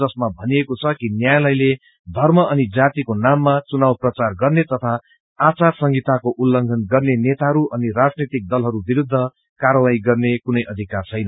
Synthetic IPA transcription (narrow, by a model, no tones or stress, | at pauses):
ʌsmabʱʌniekot͡sʰʌkinjajlʌjle | d̪ʱʌrmʌʔʌnid͡zat̪ikonamːat͡sunawprʌt͡sarɡʌrnet̪ʌt̪ʰa | at͡sarsʌŋɡit̪akoʔulːʌŋɡʱʌnɡʌrnenet̪aɦʌɾuʔʌnirad͡znit̪ik̚d̪ʌlɦʌɾubiɾud̪ʱːʌ | kaɾʌwaiɡʌrnekunʌjʔʌd̪ʱikart͡sʰʌjnʌ